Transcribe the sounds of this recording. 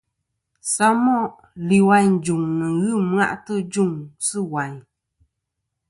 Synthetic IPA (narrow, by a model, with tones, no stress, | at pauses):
sa˦mɔ˦˨ | li˨wa˨˧ɲn̩˨d͡ʒu˨ŋnɨ˨ŋɣɨ˦m˦a̰˦ʔtɨ˦d͡ʒu˦˨ŋsɨ˦˨wa˨ɲ